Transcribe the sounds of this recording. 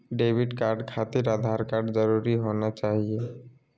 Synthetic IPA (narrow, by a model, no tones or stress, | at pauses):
ɖebʱiɖkaɾɖkʰat̪iɾad̪ʱaɾkaɾɖd͡ʑɔɾuɾiɦɔnot͡ɕaɦie